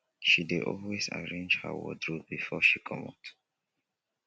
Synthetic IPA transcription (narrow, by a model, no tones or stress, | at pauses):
ʃideɔlweza̰ɹẽnd͡ʒhə̰wɔ̰dɹubifɔʃikʰɔmat